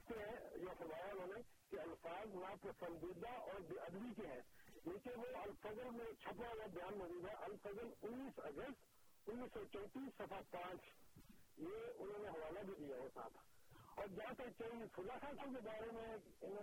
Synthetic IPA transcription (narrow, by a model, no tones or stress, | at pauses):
kt̪eɦɛ̃jasʊmaːjaʊnɦõːnẽkeɐlfaːzmãpɾɐsə̃nd̪ɪd̪aʔɔːɾbɐd̪ʋikeɦɛ̃ːleːkẽnʋoɐlfɐzəlmẽt͡ʃʰɐpɽajabɐjaːnmɐziːb̪aʔɐlfəzəlʊnːiːsɐ̰ɡəst̪ | ʊnːiːsːɔt͡ʃɔ̃ːt̪iːsːɐfʰapãːt͡ʃ | jeʊnɦõːneɦɐʋaːlabʱid̪ijajesa̰ːt̪ʰ | ɔːɾd͡ʒaãt̪et͡ʃaːɦisʊlasaːt̪ʰõkebaːɾemẽ | ɪñ